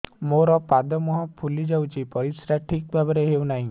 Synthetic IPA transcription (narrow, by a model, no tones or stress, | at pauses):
moɾɔpad̪ɔmɔɦɔ̃pʰulid͡ʒawt͡ʃʰipɔɾisɾaʈʰik̚bʱabɔɾeɦewnaɦĩ